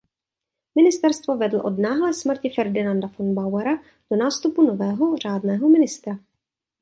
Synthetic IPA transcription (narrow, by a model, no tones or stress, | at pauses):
mɪnɪst̪ɛɾst̪vo̞vɛdl̩ʔo̞dnaːɦlɛsmr̩cɪfɛɾdɪnandafonbawɛɾa | d̥onaːst̪upuno̞vɛːɦor̝̥aːdnɛːɦomɪnɪst̪ɾa